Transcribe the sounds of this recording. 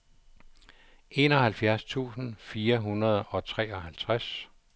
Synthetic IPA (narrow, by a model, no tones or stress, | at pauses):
ʔe̝nɒ̽ɦælfjæɐst͡sʰṵːsn̩fiːɐɦunɐð̞ˠɒ̽t͡sʰʁɛ̰ːɒ̽ɦælt͡sʰʁas